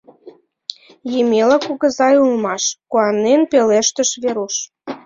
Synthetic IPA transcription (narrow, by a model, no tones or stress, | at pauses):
jemelɑkuɣə̆zɑjulmɑʃkuɑnːenpeleʃt̪əʃβeɾuʃ